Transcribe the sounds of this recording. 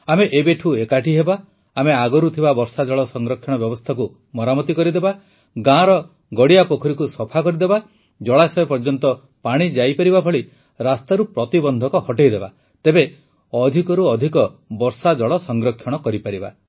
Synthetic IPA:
ameʔebeʈʰuekaʈʰiɦebaː | meaɡɔɾut̪ʰibabɔɾsad͡ʒɔɭɔsɔŋɡɾɔkʰːjɔɽ̃ɔbjɔbɔst̪ʰaku | mɔɾamɔt̪ikɔɾid̪eba | ɡãɾɔ | ɡɔɽijapokʰɔɾikusɔpʰakɔɾid̪eba | d͡ʒɔɭasɔepɔɾd͡ʒɔnt̪ɔ | paɽ̃id͡ʒajpaɾibabʱɔɭi | ɾast̪aɾupɾɔt̪ibɔnd̪ʱɔkɔhɔʈejd̪eba | t̪ebe | ɔd̪ʱikɔɾuɔd̪ʱikɔbɔɾsad͡ʒɔɭɔsɔŋɡɾɔkʰːjɔɽ̃ɔkɔɾipaɾiba̰

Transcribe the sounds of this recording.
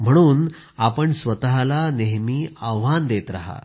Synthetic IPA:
m̤əɽ̃uːn | apəɳsʋət̪aɦlaneɦmiːaʋʋand̪et̪ɾa̰ɦa̰

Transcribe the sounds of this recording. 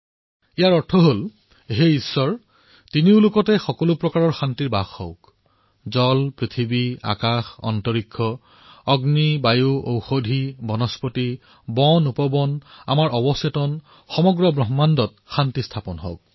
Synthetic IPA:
ijaɹɔɹtʰɔɦol | ɦeisːɔɹ | tiniʊlʊkɔtɛxɔkɔlʊpɹɔkaɹɔɹxantiɹbaxhɔ̰ʊk | zɔlpɹit̪ʰibia̰kaxɔ̰ntɔɹikʰːɔ | ɔɡnibajuʔo̰wxodʱibɔnɔspɔti | bɔnupɔbɔna̰maɹʔɔbɔsetɔn | xɔmɔɡɹɔbɹɔɦɔmandɔt̚ | xantistʰapɔnɦɔ̰ʊk̚

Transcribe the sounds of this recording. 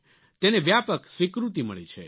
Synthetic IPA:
t̪eneʋjapəksʋikɾut̪imə̰ɭḭt͡ʃʰḛ

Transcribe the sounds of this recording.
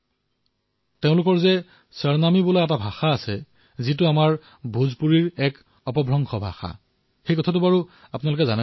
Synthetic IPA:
teʊ̃lʊkɔɹzɛ | səɹnamibulaɛtabʱaxaːsɛ | zit̬ʊamaɹ | bʱuzpuɹiɹɛk | ɔpɔbʱɹɔŋxʰɔbʱa̰xa̰ | xejkɔtʰatʊbaɹu | apʊnalʊk̬ɛzana

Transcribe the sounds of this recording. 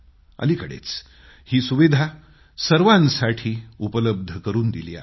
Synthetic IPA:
ə̰likəɽḛt͡s | hiːsuʋid̪ʱa | səɾʋãnsaʈʰiːupələb̚d̪ʱəkəɾuːnd̪ilḭːa̰

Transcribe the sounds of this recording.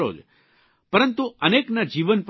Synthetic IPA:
o̰d͡ʒ | pəɾənt̪uəneknad͡ʒiʋənp

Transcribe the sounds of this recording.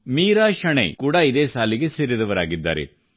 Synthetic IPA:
miːɾaːʃɐɳḛkuːɽaid̪eːsaːliɡesiɾid̪ɐʋɐɾaːɡid̪ːa̰ːɾḛ

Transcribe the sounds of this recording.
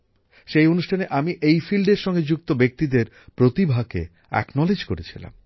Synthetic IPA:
ʃejonuʃʈʰaneʔamiʔejfilɖeɾʃɔŋɡed͡ʑuk̚t̪obek̚t̪id̪eɾ | pɾot̪ibʱakḛ | ɛ̰knɔled͡ʑkoɾet͡ɕʰila̰m

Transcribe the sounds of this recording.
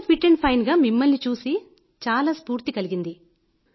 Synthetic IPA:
pʰiʈːeɳɖpʰɐjnɡaːmimːɐlnit͡ʃuːsi | t͡ʃaːlaːspuːɾt̪ikɐliɡind̪i

